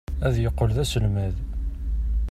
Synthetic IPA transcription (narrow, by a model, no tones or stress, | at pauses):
æðjəqːolðæsəlmæð